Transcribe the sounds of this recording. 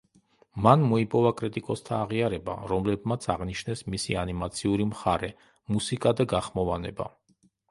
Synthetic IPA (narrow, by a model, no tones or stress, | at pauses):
manmɔipʼɔvakʼɾit̪ʼikʼɔst̪ʰaːʁiaɾɛba̰ɾɔmlɛb̚mat̪sʰaʁniʃnɛsmisianimat̪sʰiuɾimχaɾɛ | musikʼad̪aɡaχmɔvanɛ̰ba̰